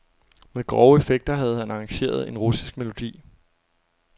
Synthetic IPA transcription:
meðˠɡ̥ʁɒʊəefeɡ̥̚d̥ɐɦæð̞̩ˠhænɑ̈ːɑŋɕe̝̰ːɐð̞ˠe̝nʁusi̥sɡ̥me̝lo̝d̥ḭː

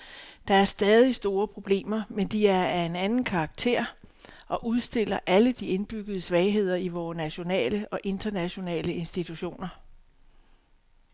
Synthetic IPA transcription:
d̥ɑ̈æɐsd̥ɛːð̞ˠisd̥o̝ːɐpʰʁo̝b̥le̝̰ːmɐmend̥iæɐæe̝nænn̩kʰɑ̈ːɡ̥̚t͡sʰe̝̰ɐ̰ʔɒ̽ʔuð̞ˠsd̥e̝l̰ɐʔæləd̥ie̝nb̥yɡ̥əðˠəsʋɛɪɦe̝ð̰ˠɐiʋɒːnæɕo̝nɛ̰ːləʔɒ̽ʔe̝nd̥ɐnæɕo̝nɛ̰ːləe̝nsd̥it͡sʰuɕo̝̰ːnɐ

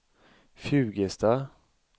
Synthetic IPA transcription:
fjʉ̟ːɡəst̪a

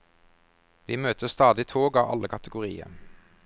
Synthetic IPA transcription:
ʋiːmøːt̪əst̪ɑːd̪ɪt̪ʰoːɡɑːʋʔɑ̰ləkʰɑt̪əɡʊʁḭːə̰

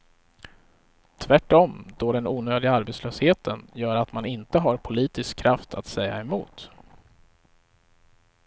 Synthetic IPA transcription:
t̪ʰvæʈːɔmd̪̥ɔɖɛnuːnøːd̪ɪɡaaɾbeːt̪sløːsheːt̪ʰənjœːɾat̪manɪnt̪əɦaɾpʰʊliːt̪ɪskʰːɾaft̪ʰat̪sɛjːa̰ɛmṵːt̪

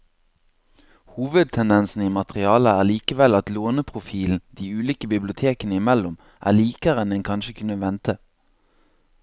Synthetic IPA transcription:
huːʋəd̪̚t̪ʰɛnd̪ɛnsn̩iːmɑt̪ʁɪɑːləæːʁliːkəʋɛlɑt̪loːnəpʰʁʊfiːln̩d̪̥iːʉːliːkəbɪblɪʊt̪ʰeːkənəɪmɛlʊm | ʔæ̰ːliːkəʁɛnɛŋkʰɑnʃəkʰʉnəʋɛnt̪ə

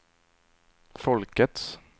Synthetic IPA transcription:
fɔlkət̪s

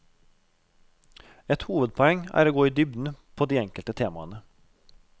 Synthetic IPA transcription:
ɛt̪huːʋəd̪̚pʰɔɛŋæ̰ːɾoːɡoːiːd̪ʏbd̪n̩pʰoːd̪iːɛŋkəlt̪ət̪ʰeːmɑ̰ənə

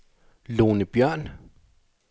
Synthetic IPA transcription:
loːnəb̥jœɐ̰n

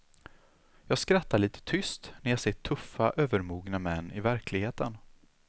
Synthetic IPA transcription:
jɑːɡskɾat̪ʰːaɭiːt̪ʰə̥t̪ʰʏst̪næɾjaːseːʈʰːɵfːaʔøːvəɾmuːɡnamɛnːɪvæɾkʰlɪɡheːt̪ən

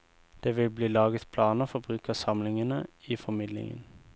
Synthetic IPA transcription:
d̪̥eːʋɪlbliːlɑːɡət̪pʰlɑːnəfɔbʁʉːkəʁsɑmlɪŋənəiːfɔmɪd̪lɪ̰ŋə̰n

